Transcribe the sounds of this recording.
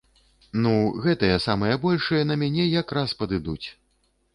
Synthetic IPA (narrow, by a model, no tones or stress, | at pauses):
nuɣɛt̪ɐjɐsamɐjɐbɔlʲʂɨjɐnɐmʲanʲɛjakɾaspɐd̪ɨd̪ut͡sʲ